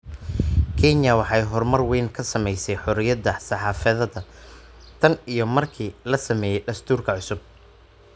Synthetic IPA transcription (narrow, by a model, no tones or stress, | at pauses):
kʰɛnjɐwɑħɑjɦɔrmɐrwɛːnkʰɐsɐmɛjsɛjħɔɾɪjɐðɐsɑħɑːfɐðɐðɐ | t̪ʰɐnijɞmɐrkʰiːlɐsɐmɛːjɛjɖɐst̪ʰuːrkʰɐʕʊsʊb̚